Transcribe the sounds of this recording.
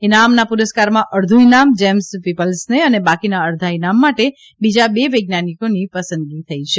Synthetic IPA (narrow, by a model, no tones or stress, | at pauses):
enamnapuɾəskaɾmãʔəɾd̪ʱuinamd͡ʒɛmspipəlsneənebakinaəɾd̪ʱainamːaʈe | bid͡ʒabeʋəjɡ̚nanikonipəsənɡit̪ʰəit͡ʃʰe